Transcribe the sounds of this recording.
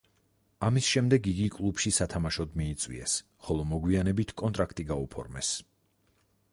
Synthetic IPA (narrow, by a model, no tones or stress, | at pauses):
amisʃɛmd̪ɛɡiɡikʼlˠupʃisat̪ʰamaʃɔd̪miːt̪sʼwḭɛs | χɔlˠɔmɔɡwianɛbit̪ʰkʼɔnt̪ʼɾakʰt̪ʼiɡaupʰɔ̰ɾmɛ̰s